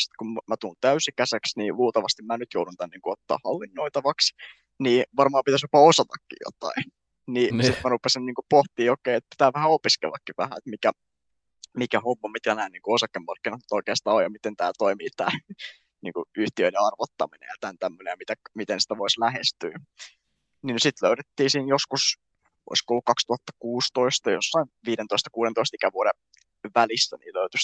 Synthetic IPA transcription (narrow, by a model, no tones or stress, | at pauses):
si̥t̪kummæt̪uːnt̪æysikæseksniːluːt̪ɑʋɑst̪immænyt̪jouɾunt̪ænniːŋkuot̪ːɑ̰ːhhɑlːinːoit̪ɑʋɑks | niːʋɑrmɑːmpit̪æsjopɑosɑt̪ɑkːḭjo̰t̪ɑ̰in | niːsit̪mærupesinniːŋkupoht̪iːokeiet̪̚pi̥t̪æːʋæhæopiskḛlːɑkːiʋʋæhæ̰et̪mikæ | mikæhomːɑmit̪kænæːnniːŋkuosɑkːemmɑrkːinɑt̪ny̥t̪oikeːst̪ɑːojɑmit̪ent̪æ̰ːlt̪oimiːt̪æ̰ː | nḭːŋkuyht̪iøiɾeɑrʋot̪ːɑminḛjɑt̪ænt̪æmːønejɑmit̪æmit̪ensi̥t̪æʋoislæhest̪yː | ninysit̪løyɾet̪ːiːsiːnjoskus | o̰iskoolːukkɑkst̪uhɑt̪ːɑ̥kuːst̪oist̪ɑjo̰sːɑinʋiːɾent̪oist̪ɑ̥kuːɾent̪oist̪ikæʋuoɾe | ʋælisːæ̰nḭːløyt̪ys